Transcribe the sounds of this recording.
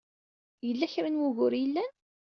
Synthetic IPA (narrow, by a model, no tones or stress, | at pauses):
jəlːæçɾanwʊɣʊɾjəlːæn